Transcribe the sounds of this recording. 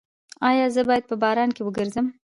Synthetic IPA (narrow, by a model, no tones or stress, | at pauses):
ɑjɑzəbɑjad̪̚pəbɑɾɑnkewəɡəɾzəm